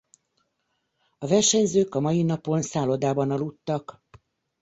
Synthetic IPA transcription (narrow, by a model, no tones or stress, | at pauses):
ɒvɛrʃɛɲzøːkɒmɒjinɒpo̞nsaːlod̪aːbɒnɒlut̪ːɒk